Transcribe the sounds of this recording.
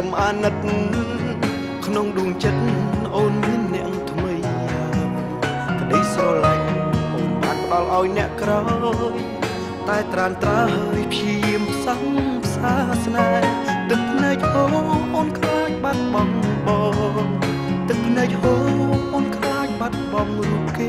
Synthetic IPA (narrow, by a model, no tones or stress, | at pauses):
smʔaːnɨt̪̚ | kʰnoŋɗuəŋt͡ɕət̪̚ːʔoːnmiənːɛ̆əʔŋt̪ʰmɨj | a | kəɗəjsɔːlajɔmɓaːt̪̚pə̆ɗɑlʔaɔjnɛ̆əʔkraɔj | t̪aɛt̪raənt̪raɦəːəjpʰjiəjiəmpʰsɑŋpʰsaːsnaɛt̪ɨk̚pʰnaɛc̚hoːʔoːnkʰlaːɲ̚ɓat̪̚ɓɑŋɓɑː | t̪ɨk̚pʰnaːc̚hoːʔoːnkʰlaːɲ̚ɓat̪̚ɓɑŋruəp̚keː